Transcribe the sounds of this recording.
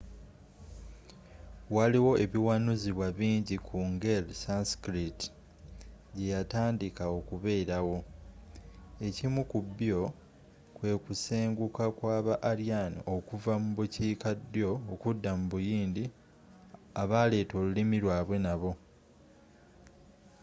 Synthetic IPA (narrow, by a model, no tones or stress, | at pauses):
waliwo̞e̞βiwanuziβwaβiːɲɟikʰuŋɡelsanskɾiti̥ | ɟe̞jataːndikao̞kuβe̞ːɾawo̞ | e̞cimukubːjo̞ | kwe̞ːkuseːŋɡukakwaːβaʔːɾjanḭʔo̞kuvamuβuciːkadjo̞ːkudːamuβujiːndi | aβale̞ːto̞lulimiɾwaːβwe̞naβo̞